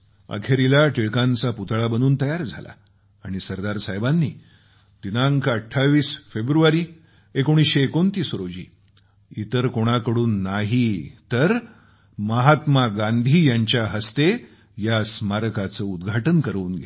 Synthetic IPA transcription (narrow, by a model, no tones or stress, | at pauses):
ə̰kʰeɾilaʈiɭkãnt͡saput̪ɭabənuːnt̪əjaɾd͡zʱa̰la̰ː | ɽ̃isəɾd̪aɾsajbanːḭː | d̪̥inaŋkʰəʈʰːaʋiːsfebɾuʋaɾiː | ekoɽ̃isɕeːkont̪iːsɾod͡ʑḭː | it̪əɾkoɽ̃akəɽuːnːaɦit̪əɾ | məɦat̪maɡãnd̪ʱiːjaɲt͡ɕjaɦəst̪e | jasmaɾəkat͡səud̪ɡʱaʈənkəɾəunɡʱe